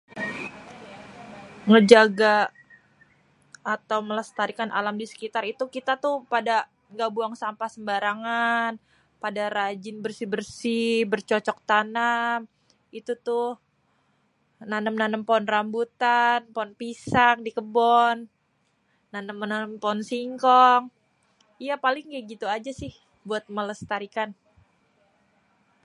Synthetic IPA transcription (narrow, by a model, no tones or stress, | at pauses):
ŋəd͡ʒaɡa | t̪awmələst̪aɾikanʔa̰lamdisə̥kit̪arit̪ukit̪at̪uhpada | ɡabuaŋsampasəmbaɾaŋan | padaɾad͡ʒɪnbərsibərsibərt͡ʃɔt͡ʃɔk̚t̪anam | it̪ut̪ʊh | nanəmnanəmpɔnrambut̪anpɔnpisak̚dikəbɔnː | anəmːənanəmponsiŋkɔŋ | ijapalɪŋɡaɡit̪uad͡ʒasɪh | buat̪̚mələst̪aɾikan